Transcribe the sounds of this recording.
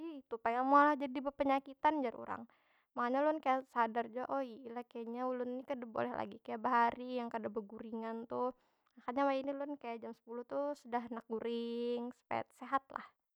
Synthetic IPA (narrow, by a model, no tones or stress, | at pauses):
iit̪upajamalahd͡ʒadibəpəɲakit̪and͡ʒaɾṵɾa̰ŋ | makaɲalʊnkajasadard͡ʒaʔoiːlakaɲaulʊnːikədəbo̰lɛhla̰ɡikajaʔbaɦaɾijaŋkadabəɡuɾiŋant̪u | akaɲawainilʊnkajaʔd͡ʒamsə̥puluht̪usudaɦnak̚ɡuɾɪŋsə̥pa̰t̪̚seɦat̪la̰h